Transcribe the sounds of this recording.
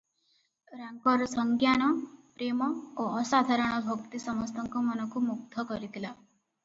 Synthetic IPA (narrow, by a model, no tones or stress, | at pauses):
ɾaŋkɔɾɔsɔŋɡjanɔpɾemɔoɔsad̪ʱaɾɔɽ̃ɔbʱɔkt̪isɔmɔst̪ʰɔŋkɔmɔnɔkumuk̚t̪ʰɔkɔɾit̪ʰila